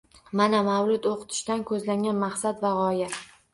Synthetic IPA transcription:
manamawlʊt̪oqʰɨ̥t̪ʰɪ̥ʃt̪ankʰɵzlaŋɡʲanmaχsat̪vaʁɒja

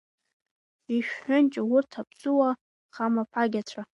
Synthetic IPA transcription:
iʃᶣħʊnt͡ʃʼawʊrtʰapʰt͡sʼuwa | χamapʰʼaɡʲat͡sʷʰa

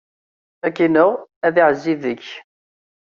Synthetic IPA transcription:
ækːinʊʁæðiʕəzːiðəç

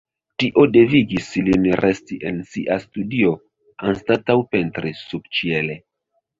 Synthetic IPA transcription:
tiʔo̞de̞viɡislinɾʔe̞stiʔe̞nsiʔastudio̞ | anstatawpe̞ntɾesub̚t͡ʃiele̞

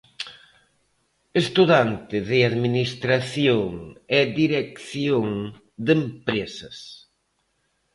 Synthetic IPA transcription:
est̪uðant̪ɪðɪaðminist̪ɾaθjoŋɛðiɾekθjoŋ | d̪empɾesɐs

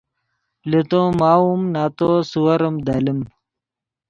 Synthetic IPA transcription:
let̪õːmaːumnaːt̪oːsuwɐɾɐmd̪aːlim

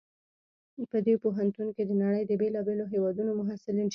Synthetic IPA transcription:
pəd̪epoɦant̪unked̪ənaɽəjd̪əbelɑbeloɦewɑd̪unomʊɦasɪlinʃ

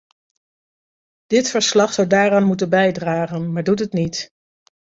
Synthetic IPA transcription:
d̥ɪtfəɹslɑχsʌwdaːɾaːnmutənbɛjdraːχənmaːɹdut̬ətnit

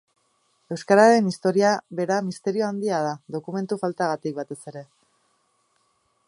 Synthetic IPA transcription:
e̞wskaɾaɾe̞nist̪o̞ɾiaβe̞ɾamist̪e̞ɾio̞and̪iað̞aðo̞kume̞nt̪ufalt̪aɣat̪ik̚bat̪e̞se̞ɾe̞

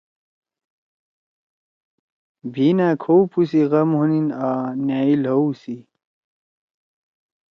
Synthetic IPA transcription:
bʱinaːkʰoupʰusiɣɐmɦuninanjaːilɦɐwsi

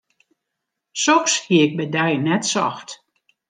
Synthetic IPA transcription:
sɔxshiəɪk̚bɛdɛjnɛtsɔ̰xt

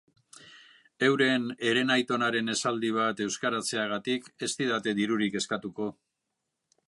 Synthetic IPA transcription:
e̞wɾe̞ne̞ɾe̞najt̪o̞naɾe̞ne̞sald̪iβ̞at̪e̞wskaɾat͡se̞aɣ̞at̪ike̞st̪iðat̪e̞ðiɾuɾike̞skat̪uko̞

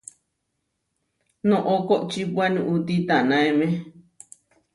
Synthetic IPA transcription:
nõʔokoʔt͡ʃipwanĩʔut̪it̪anãemẽ

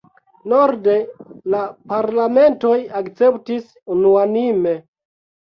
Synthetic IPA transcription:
noɾde̞lapaɾlame̞nto̞jakt͡se̞ptis | unuanime̞

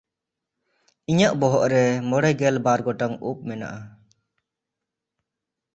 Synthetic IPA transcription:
iɲaʔbɔɦɔʔɾɛmɔɽɛɡɛlbaɾɡɔʈaŋṵp̚mɛna̰ʔa

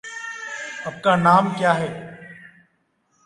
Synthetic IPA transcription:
əb̚kaːnaːmkjaːɦɛː

